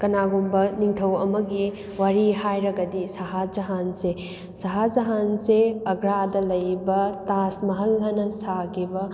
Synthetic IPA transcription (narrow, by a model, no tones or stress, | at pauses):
kɐnaɡumbɐniŋtʰɐwɐmɐɡi | waɾihajɾɐɡɐdisɐɦad͡ʒɐɦanse | sɐɦad͡ʒɐɦanseɐɡɾadɐlɐjbɐtasmɐɦɐlːɐnɐsaɡibɐ